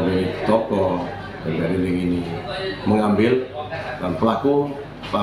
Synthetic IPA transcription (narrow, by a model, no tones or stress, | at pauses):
wei̥t̪ɔkɔ | ɡandaɾinɪŋiniməŋambɪllanpəlaku | pla